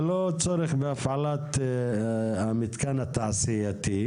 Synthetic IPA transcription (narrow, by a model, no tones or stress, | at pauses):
lot͡soɾeχbeafʕalat̪ | amit̪kanat̪aʕsijat̪i